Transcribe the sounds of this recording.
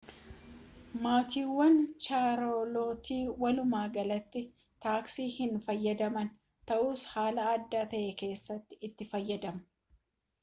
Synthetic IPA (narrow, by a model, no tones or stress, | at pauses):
maːt̪iːwːɐnt͡ʃaːɾo̞ːlo̞ːt̪iːwɐlʊmaːɡɐlɐt̪ːɪ | t̪aːksiːhɪnfɐjːɐd̪ɐmɐn | t̪ɐʔuːshaːlɐːd̪ːaːt̪ɐʔeke̞ːsːɐt̪ːɪ̥ːt̪ːɪfɐjːɐd̪ɐmɐ̥